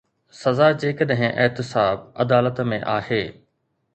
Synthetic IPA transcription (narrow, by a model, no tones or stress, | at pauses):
sɐzaːd͡ʑeːkəɗɦɪ̃ʔɪɦt̪ɪsaːbɐd̪aːlət̪mẽʔaːheː